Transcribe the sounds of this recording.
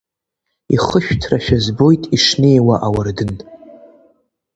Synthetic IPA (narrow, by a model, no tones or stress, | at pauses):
iχəʃᶣtʰraʃᶣazbo̞jtʼiʂnejwaʔawardɨn